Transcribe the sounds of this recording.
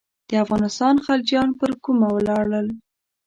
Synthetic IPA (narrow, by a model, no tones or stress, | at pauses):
d̪̥əafɣɑnɪst̪ɑnxald͡ʒjɑnpəɾkumawəlɑɽəl